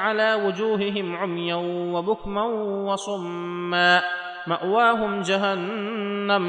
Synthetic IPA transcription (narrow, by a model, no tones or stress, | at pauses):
ʕalaːwʊd͡ʒuːɦɪɦɪmʕʊmjanwabʊkmanwɑsˤʊmː | aː | maʔwaːɦʊmd͡ʒaɦanːam